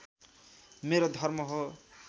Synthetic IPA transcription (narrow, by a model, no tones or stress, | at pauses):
meɾod̪ʱʌrmʌɦo